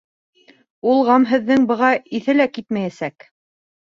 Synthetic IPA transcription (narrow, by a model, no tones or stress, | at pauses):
ulˠʁɑmɦɘ̆ðːɘŋbɤ̆ʁɑiθɘlækit̪mæjæsæk